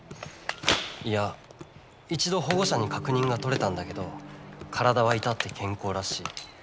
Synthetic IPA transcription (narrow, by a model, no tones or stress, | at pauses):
ija | it͡ɕid̪o̞ɦo̞ɡo̞ɕaɲ̟ikakɯ̟ɲ̟ĩŋɡat̪o̞ɾe̞t̪ãnd̪ake̞d̪o̞kʰaɾad̪aβ̞ait̪at̪ːe̞kʰẽ̞ŋko̞ːɾaɕiː